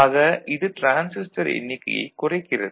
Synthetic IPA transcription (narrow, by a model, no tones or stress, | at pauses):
aːɣɐʔɪðɯʈɾaːnsɪsʈɐɾɛ̰nːɪkːɐ̰jɛ̰ɪkːʊrɐɪkːɪrɐðɯ